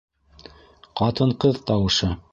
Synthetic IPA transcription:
qɑt̪ɤɴqɤðt̪ɑwɤ̆ʃɤ

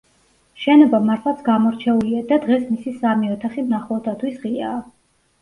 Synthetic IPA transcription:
ʃɛnɔbamaɾt̪ʰlˠat̪sʰɡamɔɾt͡ʃʰɛuliad̪ad̪ʁɛsmisisamiɔt̪ʰaχimnaχɔt̪ʰat̪ʰwisʁiaː

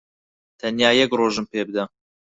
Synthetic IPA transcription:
t̪ʰɐnjaːjɛkroːʒɨmpeːbɨd̪ɐ

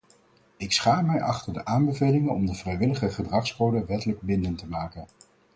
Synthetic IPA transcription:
ɪksχaːmɛjʔɑχtəɹdəʔaːmbəvejlɪŋənɔmdəv̥rɛjʋɪləχəχədrɑχskowdəʋɛtələɡ̚bɪndəntəmaːkən

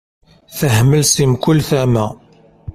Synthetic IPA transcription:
θəhməlsimkʊlːθæmæ

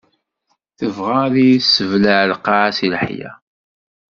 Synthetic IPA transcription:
θəvʁaðisːəvlaʕlqɑʕsilħjæ̰

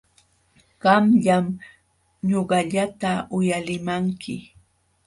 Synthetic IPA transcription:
ɢ̥ɑmʎam | ɲoɢɑʎat̪aʊjalɪmaŋkʰɪ

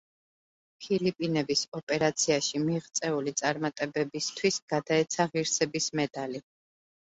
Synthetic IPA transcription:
pʰilipʼinɛbisɔpʼɛɾat̪sʰiaʃimiʁt̪sʼɛulit̪sʼaɾmat̪ʼɛbɛbist̪ʰwisɡ̥ad̪aɛt̪sʰaʁiɾsɛbismɛd̪ali

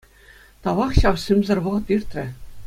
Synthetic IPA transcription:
t̪ɑʋɑχɕɑwɕɘmzɘ̆rʋɤ̆ʁɤ̆t̪irt̪ʲrʲɘ̆

